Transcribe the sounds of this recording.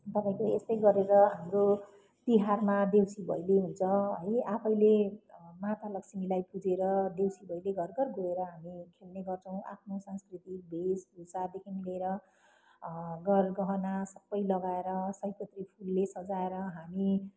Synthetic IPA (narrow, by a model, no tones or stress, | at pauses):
t̪ʌpaĩkoest̪ʌjɡʌɾeɾʌɦamɾo | t̪iɦarmad̪ewsibʱʌ̰jleɦunt͡sʰʌɦʌ̰japʰʌjlemat̪alʌksimilajpud͡zeɾʌd̪ewsibʱʌjleɡʱʌrɡʌrɡʱoeɾʌɦamikʰelneɡʌrt͡sʰʌw̃ʔa̰pʰnosãnskrit̪ibʱesbusad̪ekʰinileːɾʌ | ɡʌrɡʌɦʌnasʌbːʌjlʌɡaeɾʌsʌjkʌt̪ripʰulːesʌd͡zaeɾʌɦami